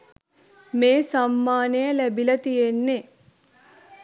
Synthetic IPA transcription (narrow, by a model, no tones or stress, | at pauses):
meːsamːaːnejɐlæbilɐt̪ijenːe